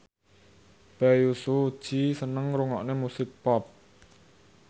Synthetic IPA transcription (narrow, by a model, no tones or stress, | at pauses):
b̥ɛjusuud̥ʒ̥isənəŋɾuŋɔ̰ʔnemusɪk̚pɔp̚